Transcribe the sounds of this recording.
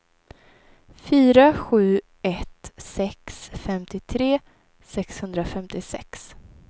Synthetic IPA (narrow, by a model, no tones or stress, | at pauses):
fyːɾaɧʉ̟ː | ɛt̪sɛksfɛmt̪ɪt̪ʰɾeː | sɛkshɵnd̪ɾafɛmt̪ɪsɛ̰ks